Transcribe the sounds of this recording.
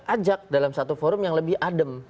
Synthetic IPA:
ʔad͡ʒak̚dalamsat̪ufoɾʊmjaŋləbɪhʔadəm

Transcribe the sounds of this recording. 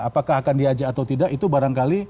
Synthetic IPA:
apakaɦakandiad͡ʒaːt̪awt̪idakit̪ubaɾaŋkali

